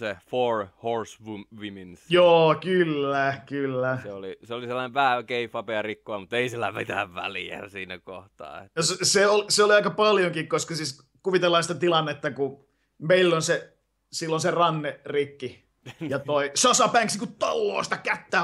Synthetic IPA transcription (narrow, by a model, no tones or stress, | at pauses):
seforhorsʋuʋiminsjoːkylːækylːæseoliseoliselːɑneʋʋæhækeifɑpeɑrikːoɑmut̪ːeisilːæmit̪æ̰ʋʋæ̰liæ̰siːnækoht̪ɑ̰ːḛsseoliseoliɑikɑpɑljoŋkikkoskɑsiːs | kuʋit̪elːˑɑːnsi̥t̪æt̪ilɑnːet̪ːɑku | meilːonse | silːonserɑnːerikːi | jɑt̪oisɑsɑpæːŋksniŋkut̪olːo̰ːsi̥t̪ækæt̪ːæː